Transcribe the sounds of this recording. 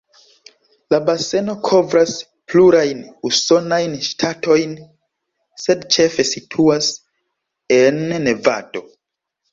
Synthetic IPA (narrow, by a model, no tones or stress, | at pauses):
labase̞no̞kʰo̞vɾas | pluɾajnuso̞najnʃtʰatʰo̞jn | se̞dt͡ʃe̞fe̞sitʰuas | e̞nːe̞va̰to̞